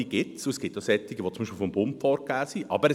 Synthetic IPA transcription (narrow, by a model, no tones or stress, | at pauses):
iɡ̥ɪtsuɛsɡ̥ɪt̚d̥ɔsɛt̪ːiɡ̥əʋot͡sʊmbiʃpɪlfɔmbʊmpfɔːɾkaːsiʔʔɑ̰bəɾɛ